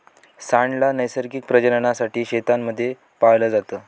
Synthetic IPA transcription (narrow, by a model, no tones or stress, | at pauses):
saɳɖlanəjsəɾkik̚pɾəd͡ʑəɾəɳasaʈiːɕet̪amːəd̪ʱːje | pajləd͡zat̪əː